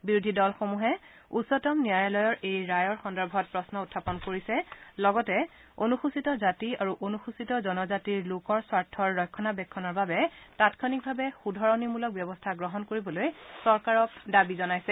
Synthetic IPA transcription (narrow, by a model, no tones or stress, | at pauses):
biɹudʱidɔlxomuɦɛ | usɔtɔmniajalɔjɔɹejɹajɔɹxɔndɔɹbʱɔt̚pɹɔsnɔutʰːapɔnkoɹisɛlɔɡɔtɛ | onuxusitɔzatiaɹuʔonuxusitɔzɔnɔzatiɹlokɔɹswaɹtʰːɔɹːɔjkʰːɔnabɛkʰːɔnɔɹbabɛtatkʰɔnik̚bʱabɛxudʱɔɹɔnimulɔk̚bjɔbɔstʰaɡɹɔɦɔnkoɹibɔlojsɔɹkaɹɔkdabizɔnajsɛ